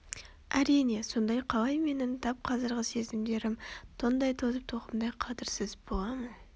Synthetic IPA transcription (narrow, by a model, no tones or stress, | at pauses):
æɾijne̞so̞nd̪ɑjqʰɑlˠɑjme̞nɪnt̪ʰɑp̚qʰɑzəɾʁəse̞zɪmd̪e̞ɾɪmt̪ʰond̪ɑjt̪ʰozəp̚t̪ʰoqəmd̪ɑjqʰɑt̪ɪɾsɪzbo̞lˠɑmən